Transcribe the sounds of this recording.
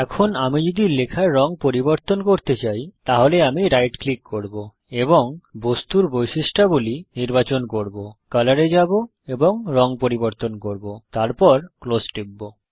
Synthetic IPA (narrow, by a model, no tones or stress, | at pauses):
ɛkʰonamid͡ʑod̪ilekʰaɾːɔŋpoɾiboɾt̪onkoɾt̪et͡ɕajt̪aɦoleamiɾajʈklikːoɾbo | eboŋbost̪uɾbojʃiʃʈaboliniɾbat͡ɕonkoɾbokalaɾed͡ʑabo | eboŋɾɔŋpoɾiboɾt̪onkoɾbot̪aɾpɔɾklosʈebːo